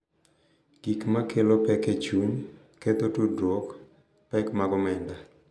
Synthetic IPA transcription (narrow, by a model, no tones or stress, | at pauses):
ɡ̥ikmakelopɛket͡ʃuɲ | ket̪otudwɔk | pɛkmaɡɔmɛnda